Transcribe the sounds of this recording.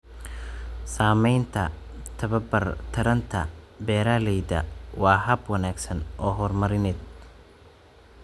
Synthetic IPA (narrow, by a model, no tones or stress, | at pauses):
saːmɛjnt̪ʰɐt̪ʰɐβɐbɐrt̪ʰɐɾɐnt̪ʰɐ̰bɛːɾalɛjdɐ̰wɑːɦɐbwɐnaːɡsɐnʔɔːɦɔrmɐɾɪnɪd̪̚